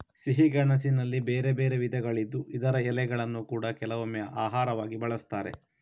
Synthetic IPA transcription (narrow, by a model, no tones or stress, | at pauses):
siɦiɡɐɳɐs̬inɐlːibeːɾebeːɾeʋid̪ʱɐɡɐɭid̪ːuʔid̪ɐɾɐɛlɛɡɐɭɐnːukuːɽɐkɛlɐʋomːɛjɐʔaːɦaːɾɐʋaːɡibɐɭɐst̪aːɾḛ